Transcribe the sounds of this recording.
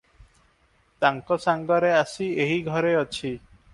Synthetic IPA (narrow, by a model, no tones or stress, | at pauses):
t̪aŋkɔsaŋɡɔɾeasieɦiɡʱɔɾeɔt͡ʃʰi